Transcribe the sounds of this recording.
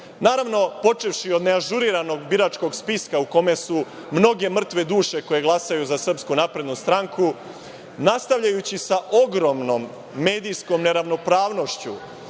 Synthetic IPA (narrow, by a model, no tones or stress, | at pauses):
naːɾaʋno̞po̞t͡ʃe̞ʋʃio̞d̪ne̞aʒuɾiɾano̞ɡbiɾat͡ʃko̞ɡspiskauko̞me̞su | mno̞ɡe̞mr̩t̪ʋe̞d̪uːʃe̞ko̞je̞ɡlˠasajuzasr̩pskunapɾe̞d̪nust̪ɾaŋkʰu | nast̪aʋʎajut͡ɕisaʔo̞ɡɾo̞mno̞mː | e̞ːd̪ijsko̞mne̞ɾaʋno̞pɾaːʋno̞ʃt͡ɕu